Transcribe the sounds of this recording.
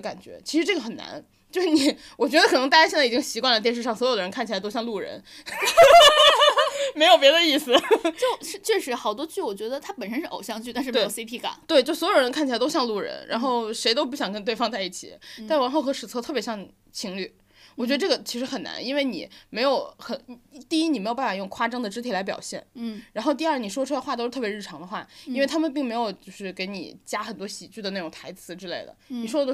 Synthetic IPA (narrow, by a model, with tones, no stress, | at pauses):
ka˨˩nt͡ɕɥɛ̰˧˥t͡ɕʰi˧˥ʂɻ̩˧ʈ͡ʂɤ˥˩ɡə˩xə˨˩na̰˧˥n | t͡ɕjo˥˧ʂɻ̩˥˩ni˨˩˦ | wɔ˨˩t͡ɕɥɛ˧˥d̪ə˧kʰɤ˨˩n˧˥ŋt̪a˥˧˩ja˥ɕjɛ˥˧nt͡si˨˩t͡ɕi˥ŋɕi˧˥kwa˥˧nlə˧˩t̪jɛ˥˧˥ʂɻ̩˥˧ʂɑ˥˩ŋswɔ˧˥jo˨˩d̪ə˧ɻkʰa˥˩nt͡ɕʰi˩a˧˥t̪o˥ʊɕjɑ˧ŋlu˥˩ɻə̰˧˥n | me˧˥ɪo˩ʊpjɛ˧˥d̪ə˧i˥˩sɹ̩˨˩t͡ɕjo˥˩ʊʂɻ̩˥˧t͡ɕʰɥɛ˥˩ʂɻ̩˧˥xɑ˨˩ʊt̪wɔ˥t͡ɕy˥˩wɔ˨˩t͡ɕɥɛ˧˥d̪ə˧t̪ʰa˥pə˨˩nʂ̬ə˥nʂɻ̩˥˩ʔo˨˩ʊɕjɑ˥˧ŋt͡ɕy˥˩t̪a˥˧ʂɻ̩˥˧˥si˥pʰi˥˩ka̰˨˩˦nt̪we˥˧ɪt͡ɕo˥˩ʊswɔ˧˥jo˨˩ɻə˧nkʰt͡ɕʰi˩a˥ɪt̪o˥ʊɕjɑ˥˧ŋlu˥˩ɻə̰˧˥nɻʔa̰˧˥nxo˥˩ʊʂe˧˥ɪt̪o˥ʊp̬u˥˩ɕjɑ˨˩ŋkə˥nt̪we˧ɑ˥˧ŋt͡sa˥˧ɪi˥˩t͡ɕʰḭ˨˩˦a˥˧nʂ̩˧˩a˧˥nxo˥˩ʊxɤ˧˥ʂɻ̩˨˩t͡sʰɤ˥t̪ʰɤ˥˩pjɛ˧˥ɕjɑ˥˩ŋ | t͡ɕʰi˧˥ŋly˥˩ | wɔ˨˩t͡ɕɥɛ˧˥ə˧ʈ͡ʂɤ˥˩ɡə˩t͡ɕʰi˧˥ʂɻ̩˧˥xə˨˩na̰˧˥ni˥nwe˥˩ɪnḭ˨˩˦me˧˥ɪjo˨˧˩ʊxə˨˩n˥t̪i˥˧i˥ni˨˩me˧˥ɪo˨˩pa˥˩a˨˩jʊ˥˩ŋkʰwa˥ʈ͡ʂɤ˥ŋd̪ə˨˧ʈ͡ʂɻ̩˥t̪ʰi˧˥la˧˥ɪp̬jɑ̰˨˩ʊɕjɛ̰˥˩nɻa˧˥nxo˥˧ʊt̪̬i˧a˞˥˩ni˨˩ʂ̬wɔ˥ʈ͡ʂʰu˥la˧xwa˥˩t̪o˥ʂ̩˥t̪ʰɤ˥˩pjɻ̩ʰ˥˩ɑ˧˥ŋd̪ə˧xwa̰˥˩i˥nwe˥˩ɪt̪ʰa˥mə˨np̬i˥˩ŋme˧˥ɪjo˨˩ʊt͡ɕjo˥˧ʊʂɻ̩˥˩ke˧˥ɪnḭ˨˩t͡ɕja˥xə˨˩nt̪wɔ˥ɕi˨˩t͡ɕy˥˩d̪ə˩na˥˩ʊ˨˩ŋt̪ʰa˧˥ɪt͡sʰɹ̩˧˥ʈ͡ʂɻ̩˥le˥˩ɪd̪ə̰˩ni˨˩ʂwɔ˥ə˧˥